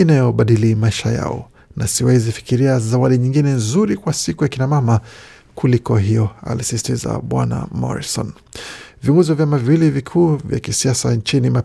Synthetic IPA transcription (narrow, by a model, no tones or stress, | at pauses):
inajɔɓaɗilimaiʃaja̰ɔ̰ | nasiwɛizifi̥kiɾiazawaɗiɲiŋɡinɛnzuɾikwasikujakinamama | kulikɔɦijɔa̰lisisi̥tiza̰ɓwa̰na̰mɔ̰ɾisɔ̰n | viɔŋɡɔziwavjamaviwilivikʰuːvja̰kisiasa̰nt͡ʃinima